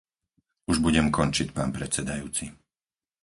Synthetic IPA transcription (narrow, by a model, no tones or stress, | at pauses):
uʒbuɟɛmkɔnt͡ʃicpaːnpɾɛt͡sɛd̪ajuːt͡si